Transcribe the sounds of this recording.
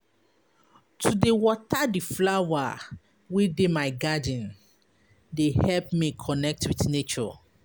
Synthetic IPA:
tʰudewɔtʰadiflawa | widemaɪɡadĩn | dehɛlp̚mikʰɔnɛk̚twiθnet͡ʃɔ

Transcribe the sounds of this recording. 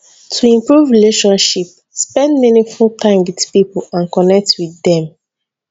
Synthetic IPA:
tʰuĩmpɹuvɹileʃɔ̃nʃip̚ | spɛ̃ndminĩŋfultʰãɪ̃mwid̥pipɔlãnkɔnɛk̚tʰwiðɛ̃m

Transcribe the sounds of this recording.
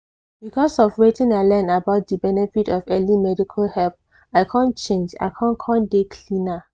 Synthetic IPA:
bikʰɔsɔvɹetĩnaɪlɛ̃nabaʊt̚dibɛnɛfitɔvɛlimɛdikʰalhɛlp̚ | aɪkʰãnt͡ʃẽnd͡ʒa̰ɪkʰãnkʰãndekʰlĩna

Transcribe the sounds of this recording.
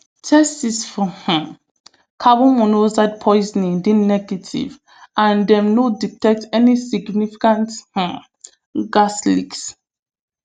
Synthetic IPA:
tʰɛstisfɔhã | kʰabɔ̃mɔ̃nozad̚pʰɔjznĩdĩnɛɡɛtʰḭv | ãndɛ̃mnoditɛk̚tɛnisiɡnifi̥kãnthã | ɡaslḭks

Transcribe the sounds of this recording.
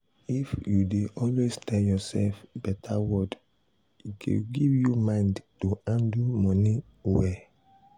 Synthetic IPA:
ifjudeʔɔlweztʰɛljɔsɛlfbɛtʰawɔd | ikʰḛɡivjumãndtoãndumɔ̃ni | wɛ

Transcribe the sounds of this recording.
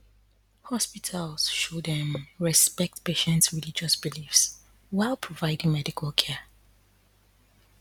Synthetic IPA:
hɔspitʰalˠsʃodɛ̃mɹɛspɛk̚tpeʃɛ̃ntsɹilid͡ʒɔsbilifs | waɪlˠpʰɹɔvaɪdɪ̃ŋmɛdikʰalˠkʰɛ

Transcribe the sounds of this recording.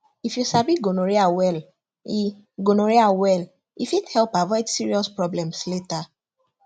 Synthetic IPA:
ifjusabiɡonoɹiawɛl | i | ɡonoɹiawɛl | ifithɛlpavɔɪdsiɹiɔspɹɔblɛ̃msleta

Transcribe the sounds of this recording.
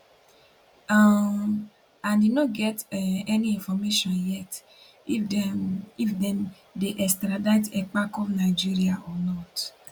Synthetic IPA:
a | ãndenõɡɛtɛnĩĩfɔmeʃɔ̃njɛt | ifdɛ̃m | deʔɛstɾadatɛk͡pakɔfnaid͡ʒiɾiaʔɔnɔt

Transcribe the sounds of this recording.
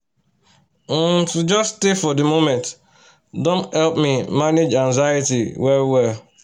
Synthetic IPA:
tud͡ʒɔstefɔdəmomɛ̃nt | dõnthɛlpmimaned͡ʒãnzajɪtiwɛɾwɛl

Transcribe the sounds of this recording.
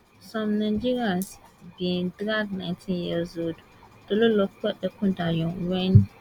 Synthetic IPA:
sɔ̃mnãd͡ʒiɹiãnsbĩndɾaknãɪ̃ntʰĩnjiəsod | d̥ololɔkɛdɛkʰʊ̃dajɔ̃wɛ̃n

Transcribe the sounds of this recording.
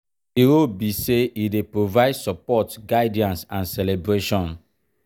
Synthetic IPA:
iɾobiseʔidepɹovaɪdsɔpɔtɡaɪdiãnsãnsɛlebɾeʃɔ̃n

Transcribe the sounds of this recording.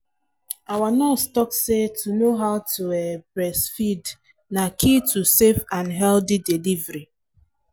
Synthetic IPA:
awanɔstɔksetʰunoɦaʊtʰuɛbɾɛsfid | nakʰitʰusefãnɦɛldidilivɾi

